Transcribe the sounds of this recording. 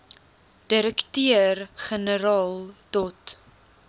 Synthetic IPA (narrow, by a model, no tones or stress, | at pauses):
d̥əɾəktiərχənəɾɑːlˠdɔt